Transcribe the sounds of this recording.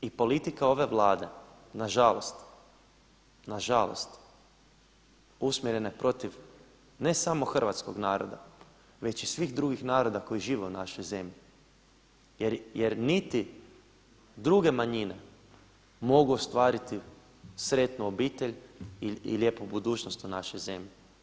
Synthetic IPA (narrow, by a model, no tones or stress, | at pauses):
ipo̞lit̪ikao̞ʋe̞ʋlˠaːd̪e̞ | naʒalo̞st̪ | naʒalo̞̰st̪ | usmʲjeɾe̞nepɾo̞t̪iʋ | ne̞samo̞xr̩ʋat̪sko̞ɡnaːɾo̰d̪a̰ | ʋe̞t͡ʃisʋiːxd̪ɾuɡixnaːɾo̞d̪ako̞iʒiːʋeunaʃojze̞mʎi | jeɾjeɾnit̪i | d̪ɾuɡe̞maɲine̞ | mo̞ɡuost̪ʋaːɾit̪i | sɾet̪nuobiːt̪e̞ʎiḭlje̞pubud̪uːt͡ʃnost̪unaʃojze̞mʎi